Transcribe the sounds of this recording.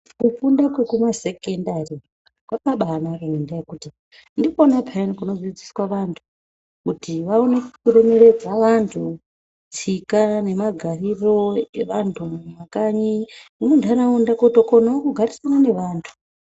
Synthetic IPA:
kufundakwekumase̞kendari | kwapaɓanarenendajekuti | ndikoonapʰainikuno̞ziid͡ziswaʋantʰu̥ | kutiʋaone̞kkureme̞re̞d͡zaʋantʰu | t͡sikane̞maɡʱariro̞eʋantʰuʋakaɲiunondanaundakotoko̞naokuɡʱaɾisanane̞ʋaːntʰu̥

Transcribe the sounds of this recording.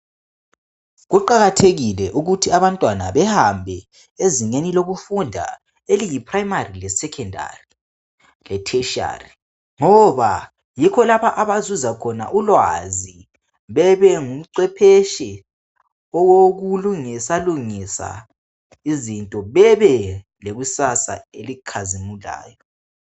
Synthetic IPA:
ɣuǃaɣatʰeɣilɛʔuɣutʰiaβantʼwanaβɛhambʱɛ | eziŋeniloɣufundʱa̰ | elijipʰrajmarilɛsɛkʰɛndʱa̰ri | lɛtʰɛʃa̰ri | ŋɔβa | jikʰɔlapaʔaβazuzakʰɔna̰ʔulwazi | βɛβɛŋum̩ǀɛpʰeʃɛ | ɔɣoɣuluŋisaluŋisa̰ | izintʼɔβɛβɛ | leɣusasa̰elikʰazimula̰ːjɔ

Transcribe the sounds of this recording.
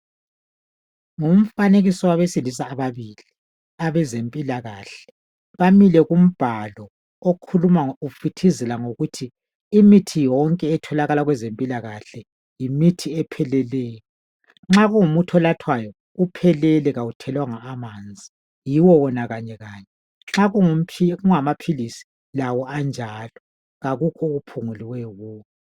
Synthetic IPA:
ŋum̩faneɣisɔwaβesilis̬aːβaβiːli | aβɛzempʼilaɣaːɬɛ̥ | βamilɛɣum̩b̥ʱalɔ | okʰulumaufitʰizɛlaŋoɣutʰiː | mitʰijɔŋkʼɛːtʰɔlaɣalaɣwɛzempʼilaɣaɬɛ | jimitʰiɛpʰɛlɛlɛːjɔ | ŋ͡ǁaɣuŋumutʰɔlatʰwajɔ | upʰɛlɛlɛɣawutʰɛlwaŋaːmaːnd͡zʱi | jiwɔwɔnaɣaɲɛɣaːɲɛ | ŋ͡ǁaɣuŋ̩ʰiɣuŋamapʰilisi̥ | lawɔand͡ʒʱalɔ | ɣaɣukʰɔɣupʰuŋuliwɛɔɣuːkɛ

